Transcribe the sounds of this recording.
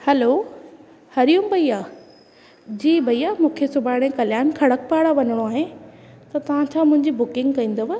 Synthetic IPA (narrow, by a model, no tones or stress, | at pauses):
hɛːlo | hɐɾijũmbʱɐiaː | d͡ʑiːbʱɐijamũːkʰesʊbʱaːɽ̃ẽkɐljaːnkʰɐɽək̚paːɽaʋɐnəɽ̃oaːɦet̪ɐt̪ɐʋ̤ãt͡ɕʰãmʊ̃ɦɪ̃ɲd͡ʑibʊkɪ̃ŋɡkɐĩːn̆d̪oʋə